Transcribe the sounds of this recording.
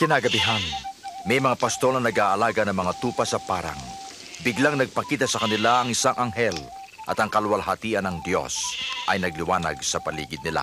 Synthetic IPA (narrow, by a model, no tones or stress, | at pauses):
kɪnaːɡɐbɪɦanmɐjmɐŋapɐst̪o̞lnɐnɐɡaːʔɐlaːɡɐnɐŋmɐŋat̪uːpɐsɐpaːɾa̰ŋ | bɪɡlaŋnɐɡ̚pɐkiːt̪ɐsɐkɐnɪlaʔɐŋɪsaŋʔɐŋɦɛl | ʔɐt̪ɐŋkɐlwalɦɐt̪iːʔɐnɐŋd̪jo̞̰sʔɐjnɐɡlɪwaːnɐ̰ɡsɐpɐlḭːɡɪd̪̚nɪla̰